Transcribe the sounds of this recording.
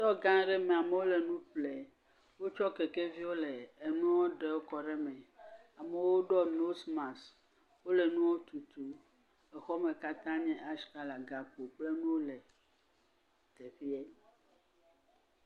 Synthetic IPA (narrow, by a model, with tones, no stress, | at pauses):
t̪ɔ˦ɡã˦ɖɛ˦mẽ˨a˨me˨wo˦le˨nũ˦ple˨ | wo˦t͡ʃɔ˦ke˨ke˦vi˦wo˦le˨e˨nũ˦wɔ˦ɖe˨wo˦kɔ˨ɖe˦mɛ̃˨ | a˨me˨wo˦ɖɔ˦no˦smã˨s | wo˦le˨nũ˦wo˦t̪u˨t̪u˨ | e˨xɔ˦me˨ka˦t̪ã˦ɲɛ̃˦ʔa˦ska˦la˨ɡa˨k͡po˨k͡ple˦nũ˦o˦le˨ | t̪e˨ɸi˦e˦